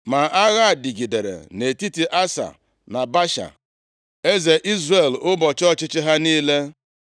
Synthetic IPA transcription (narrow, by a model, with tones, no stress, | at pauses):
ma˨ʔa˦ɣa˦˨di˨ɡi˨de˨ɾḛ˨ne˨ti˦ti˨ʔa˦sa̰˨ | na˨ba˦ʃa̰˨ | e˦ze˨ʔi˦zre˨lʊ˦bɔ˨t͡ʃɔ˦t͡ʃɪ˦t͡ʃɪ˦ɦa˦niː˦le˦